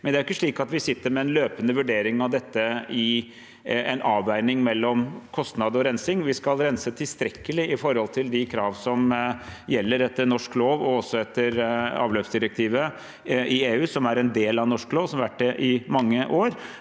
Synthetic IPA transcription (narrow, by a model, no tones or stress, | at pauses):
mɛnd̪ɛæɾɪkːəʂɭiːkɑt̪ʋɪsɪt̪ːəɾmɛɛnløːpənəʋʉɖeːɾɪŋɑʋd̪ɛt̪ːəɪ | ɛnʔɑːʋæɪnɪŋmɛlːɔmkʰɔst̪nɑd̪ɔɾɛnsɪŋʋɪskɑlɾɛnsət̪ʰɪlst̪ɾɛkːəlɪɪfɔɾhɔlt̪ʰɪld̪ɪkʰɾɑːʋsɔmjɛlːəɾɛt̪ːənɔʂkloːʋɔɔsːɔɛt̪ːəɾɑ̰ːʋløːpsd̪ɪɾək̚t̪ʰiːʋə | ʔɪeːʉːsɔmæɾɛnd̪eːlɑnɔʂkloːʋsɔmɑʋæʈ̚dɛʔɪmɑŋːəʔoːɾ